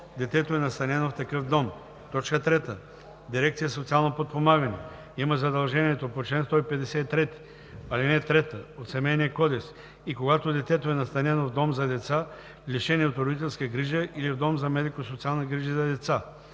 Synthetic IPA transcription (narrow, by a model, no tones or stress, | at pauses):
d̪ɛt̪ɛt̪oɛnɐst̪ɐnɛnoft̪ɐkɤfd̪ɔm | t̪ɔt͡ʃkət̪ɾɛt̪ə | d̪iɾɛkt̪sijəsot̪sialˠnopot̪̚pomaɡənɛ̰ | iməzɐd̪ɐlˠʒɛniɛt̪opot͡ʃlɛnst̪ɔipɛd̪ɛsɛit̪ːɾɛt̪i̥ | ɐlinɛt̪ɾɛt̪əot̪sɛmɛjniəkɔd̪ɛks | ikoɡat̪od̪ɛt̪ɛt̪oɛnɐst̪ɐnʲɛnovd̪ɔmzɐd̪ɛt̪sa | liʃɛniot̪ɾod̪it̪̬ɛlˠskəɡɾiʒəʔilivd̪ɔmzɐmɛd̪ikosot̪sialˠnɐɡɾiʒəzɐd̪ɛt̪sa